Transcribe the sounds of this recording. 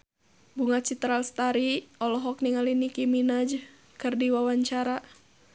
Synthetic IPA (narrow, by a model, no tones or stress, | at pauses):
buŋat̪̚t͡ʃit̪ɾalst̪aɾiɔlɔɦɔk̚niŋalinikiminad͡ʒ | kɨrdiwawaɲt͡ʃaɾa